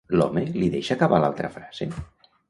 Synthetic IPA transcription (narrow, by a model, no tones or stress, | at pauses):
lɔ̰meliðeʃaːkaβala̰lˠt̪ɾə̰fɾaz̥ḛ